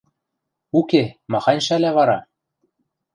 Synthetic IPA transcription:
ukemɑxɑnʲʃælæβɑɾɑ

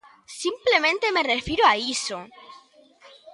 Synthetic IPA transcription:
simple̞mẽnt̪e̞me̞re̞fiɾoaiso

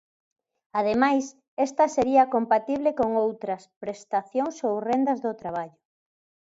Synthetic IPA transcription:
að̞emajs | est̪ɐseɾiɐkompat̪iβlekoŋowt̪ɾɐspɾest̪aθjoŋsowrend̪ɐzðʊt̪ɾaβ̞aʎʊ

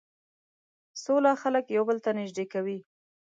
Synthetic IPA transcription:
solaxaləkjawbəlt̪anɪʒd̪ekawi

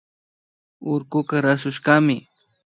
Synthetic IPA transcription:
ʊɾkʊkaɾasʊʃkamɪ

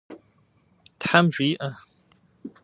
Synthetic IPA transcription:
tħamʒʷiːʔɐ

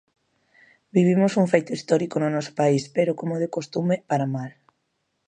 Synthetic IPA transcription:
biβ̞imosuŋfejt̪oist̪ɔɾikonʊnɔsʊ̥paispeɾokomoðekost̪umepaɾamal

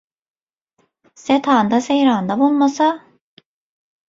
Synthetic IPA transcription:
set̪ʰaːnd̪asejɾaːnd̪abulˠmasa

